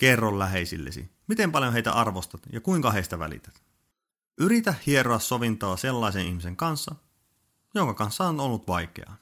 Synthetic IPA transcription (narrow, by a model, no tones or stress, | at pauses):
kerːollæɦe̞isḭlːḛsḭmit̪e̞mpɑljoɦeijt̪æ̰ʔɑrʋost̪ɑt̪jɑkuiŋkɑɦe̞ist̪æʋæ̰lḭt̪æ̥t̪ | ʔyɾit̪æhhie̞ɾoɑsːo̞ʋint̪oːse̞lːɑisenihmise̞ŋkɑnsːɑ | joŋkɑkɑnsːɑonolːut̪ʋɑjke̞̰ɑ̰